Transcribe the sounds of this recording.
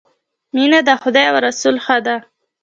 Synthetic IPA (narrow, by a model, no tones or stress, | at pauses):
minad̪axʊd̪ɑjawaɾasulxad̪a